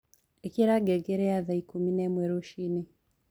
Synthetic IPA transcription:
ekiɾaɡeɡeɾeaðaikuminemweɾoʃine

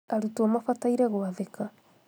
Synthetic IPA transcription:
aɾutuamafataiɾaɣwaðeka

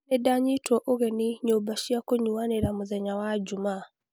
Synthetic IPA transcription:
nɛdaɲitwɔʔoɣɛniɲobaʃiakoɲuwaneɾamuðɛɲawad͡ʒumaː

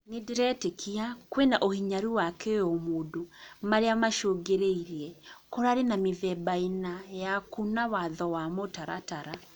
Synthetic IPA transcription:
ŋidiɾɛtekiakwenaʔohiɲaɾiwakejomudumaɾeamaʃoɡeɾeiɾiɛkoɾaɾenamiðɛbainajakunawaðɔwamotaɾa̰taɾa

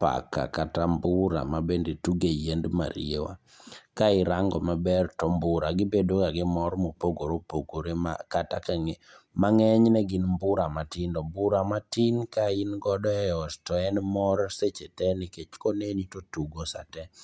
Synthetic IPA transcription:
pa̰ka̰katambʊɾa̰mabendetuɡejendma̰ɾḭewa̰ | kaɪɾaŋɡɔmabɛrtɔmbʊɾaɡɪbedokaɡɪmɔrmopoɡoɾopoɡoɾema̰katakaŋemaŋɛɲnɛɡɪnmbʊɾamatindɔmbuɾamatinkainɡɔdɔɛɔstɔɛnmɔrset͡ʃetɛniket͡ʃkonenitotuɡosa̰tɛ

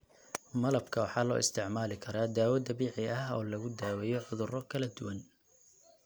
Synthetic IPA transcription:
mɐlɐbkʰɐwɑħɑːlɔ̰ːʔɪst̪ʰɪʕmaːlɪkʰɐɾaːd̪aːwɐd̪ɐbiːʕɪʔɐɦɔ̰ːlɐɣʊd̪aːwɛjɔʕʊðʊrɔkʰɐlɐd̪ʊwɐn

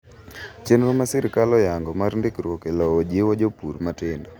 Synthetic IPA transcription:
t͡ʃenɾomasɪɾkalɔjaŋɡɔmaɾndɪkɾwokelɔod͡ʒiwod͡ʒopuɾmatɪndɔ

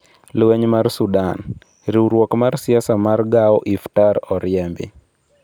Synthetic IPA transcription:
lwɛɲmarsudan | ɾiuɾwɔkmarsiasamarɡaɔʔiftaɾɔɾjɛmbḭ

